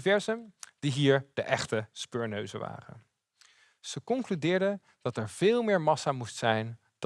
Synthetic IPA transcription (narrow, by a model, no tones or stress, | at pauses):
vɛɹzənd̥iɦiːɹd̥əʔɛχtəspøːɹnøɥzəʋa̰ːrə̰ | z̥əkɔŋklydɪːɹdə | d̥ɑtɛɹv̥ɪːlˠmɪːɹmɑsamustsɛjn | d